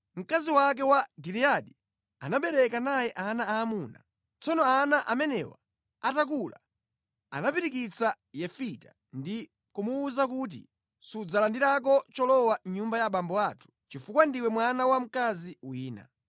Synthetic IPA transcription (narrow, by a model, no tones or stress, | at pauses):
m̩kaziwak̬ɛwaɡiɾiaɗi | anaɓɛɾɛkanajɛʔanaaːmuːna̰ | t͡sɔnɔanaʔamɛnɛ̰wa̰ | atak̬ula̰ | a̰napiɾikit͡sa | jɛfita | ndi | kumuːzak̬ut̬ḭ | sud͡zalandiɾak̬ɔt͡ʃɔlɔwaɲumbajaɓambɔatʰu̥t͡ʃifukwandiwɛmwanawam̩kaziwiːna̰